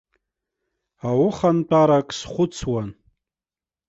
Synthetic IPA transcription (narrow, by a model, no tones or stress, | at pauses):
awʊχant͡pʼaɾakʼsχʷʊt͡sʰwan